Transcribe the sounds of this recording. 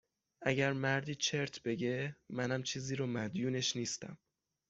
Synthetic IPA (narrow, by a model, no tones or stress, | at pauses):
ʔæɟæɾmæɾd̪iːt͡ʃʰe̞ɾt̪ʰbe̞ɟe̞mænæmt͡ʃʰiːziːɾoːmæd̪juːne̞ʃniːst̪æ̰m